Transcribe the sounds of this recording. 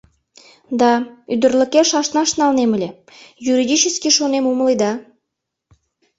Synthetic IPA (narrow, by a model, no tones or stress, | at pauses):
d̪ɑyd̪ərlʲə̆keʃɑʃnɑʃnɑlnemə̆lʲe | juɾid̪ʲit͡ɕəskiʃonemuməlid̪ɑ